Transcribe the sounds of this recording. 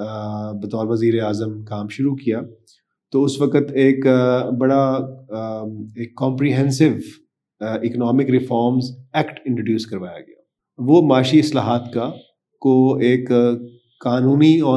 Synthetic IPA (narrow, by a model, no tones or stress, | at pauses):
bɐt̪ɔːɾʋɐziːɾeaːzəmkaːmʃʊɾukijaː | t̪oʊsʋɐkət̪eːkbɐɽa | eːkːɔ̃ːmpɾiɦɛ̃nsɪʋ | ɪknɔːmɪkɾɪfɔːɾmzɛːkʈɪ̃ɳʈɾoːɖjuːskɐɾʋaːja̰ɡɐja̰ː | ʋoːmaːʃiɪslaːɦaːt̪ka | koeːkː | aːnũːniɔː